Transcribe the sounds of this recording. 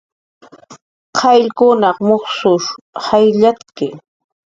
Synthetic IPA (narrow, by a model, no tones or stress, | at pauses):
qʰɑʎkʊnɑχmoχsʊʃ | hajʎatkɪ